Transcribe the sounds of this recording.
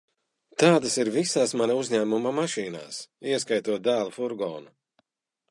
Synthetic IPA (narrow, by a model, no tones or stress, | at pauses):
t̪aːd̪asiɾvisaːsmanauzɲæːmumamaʃiːna̰ːsiɛskajt̪uɔt̪̚d̪æːlˠufuɾɡɔːnu